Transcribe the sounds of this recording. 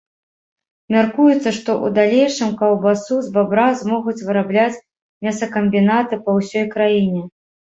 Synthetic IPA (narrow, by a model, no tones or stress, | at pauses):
mʲarkujut̪sːɐʂt̪ɔʔṵd̪alʲejʂɨmkɐwˠbasuzbabɾazmɔɣut͡sʲvɨɾablʲat͡sʲ | mʲɛsɐkɐmʲbʲinat̪ɨpɐwsʲɔjkɾajinʲɛ